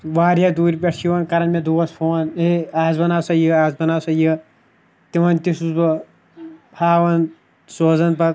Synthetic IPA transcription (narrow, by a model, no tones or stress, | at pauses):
ʋaːɾʲjad̪uːɾʲpʲeʈsiʋɐnkɐɾɐnmed̪uːɐspʰoːnɦeaːzbɐnaːsɐjiaːzbɐnaːsɐjə | t̪iʋɐnt̪isusbɐ | pʰaːʋɐn | soːzɐnpɐt̪